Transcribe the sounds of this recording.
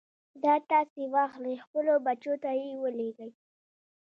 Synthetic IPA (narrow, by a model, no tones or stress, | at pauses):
d̪ɑt̪ɑsewɑxlajxpəlobat͡ʃot̪ajewəleɡəj